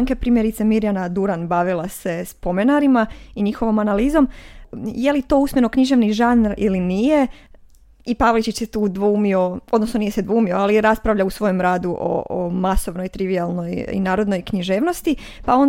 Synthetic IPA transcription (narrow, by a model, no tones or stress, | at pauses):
ŋkepɾiːmjeɾit̪semiɾjanad̪uɾanbaʋilˠase̞spo̞menaɾimaiɲixo̞ʋo̞manaliːzo̞mjelit̪o̞usmʲje̞no̞kɲiʒe̞ʋniʒanɾḭlinije̞ | ipaʋlit͡ʃit͡ʃset̪uːd̪ʋuːmio̞o̞d̪nosno̞nijesed̪ʋuːmioaliɾaspɾaʋʎausʋo̞jemɾaːd̪uʔo̰omaso̞ʋno̞jt̪ɾiʋialˠno̞jḭnaːɾo̞d̪no̞jkɲiʒe̞ːʋno̞st̪i | pao̞n